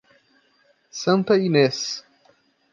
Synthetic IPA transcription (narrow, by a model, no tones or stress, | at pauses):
sɐ̃nt̪ɐines